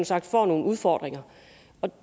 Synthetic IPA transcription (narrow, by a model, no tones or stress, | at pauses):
n̩sɑ̈ɡ̥̚d̥fɒ̰ːno̝ːn̩uð̞ˠfɒ̰ːd̥ʁeŋɐ | ɒ̽